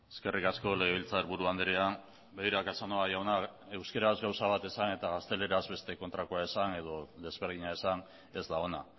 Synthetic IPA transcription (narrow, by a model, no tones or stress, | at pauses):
eske̞rikasko̞le̞ɣeβilt͡saɾβuɾuand̪eɾean | beiɾakasanoajawnae̞wske̞ɾazɣawsaβ̞at̪e̞sane̞t̪aɣast̪e̞le̞ɾazβe̞st̪e̞ko̞nt̪ɾakoaesane̞ðo̞ðe̞zβe̞ɾðiɲaesan | e̞zd̪aona